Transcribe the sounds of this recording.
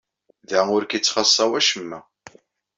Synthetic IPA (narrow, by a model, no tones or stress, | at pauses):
ðæʊɾkit͡sːχɑsˤːɑwæʃəmːæ